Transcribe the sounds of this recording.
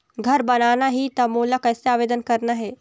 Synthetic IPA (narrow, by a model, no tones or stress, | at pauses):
ɡʱɐɾbɐnaːnaɦit̪ɐmuːlakɐːseaːʋeːd̪ənkɐɾnaɦe